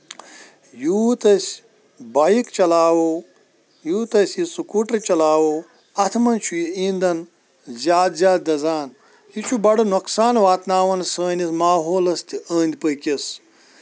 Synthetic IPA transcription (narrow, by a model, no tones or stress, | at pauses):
juːt̪ɐsʲ | baːjikt͡ʃɐlaːwo | juːt̪ɐsʲisukuːʈɐɾt͡ʃɐlaːwoː | ɐt̪ʰmɐnt͡ʃʰujiĩːnd̪ɐn | zʲjaːd̪zʲjaːd̪̚d̪ɐzaːn | jit͡ʃʰubɐɽɐnuksaːnʋaːt̪naːʋɐnsəːnismaːɦoːlɐst̪iəːnʲd̪ʲpəjkʲis